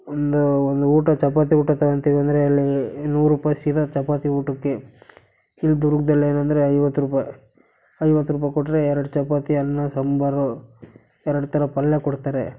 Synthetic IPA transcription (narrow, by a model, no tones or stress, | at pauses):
ond̪uond̪uuːʈɐt͡ʃɐpaːt̪̬iuːʈɐt̪ɐɡɐnt̪iʋɐnd̪ɐɾeɐlːinuːɾuːpasid̪ɐt͡ʃɐpaːt̪iuːʈɐkːe̞ | ilːd̪uɾuɡd̪ɐlːeːnɐnd̪ɐɾeɐjʋɐt̪ːuɾuːpaːj | ɐjʋɐt̪ːuɾuːp̬aːjkɔʈːɾeɛɾɐɽut͡ʃɐpaːt̪iɐnːɐsɐmbaːɾd̪o | ɛɾɐɽut̪ɐɾɐpɐlːekɔɽt̪aːɾe